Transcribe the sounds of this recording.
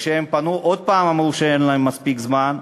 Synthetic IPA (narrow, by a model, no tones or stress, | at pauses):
ʃeempanuʔod̪̚paːmamuʃeenlaemːaspikzman